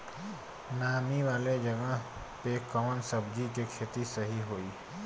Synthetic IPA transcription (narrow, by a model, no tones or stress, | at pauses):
naːmiʋaːled͡ʒɐɡəɦ | pekɐmənsɐbd͡ʒikekʰeːt̪isɐɦiɦoːiː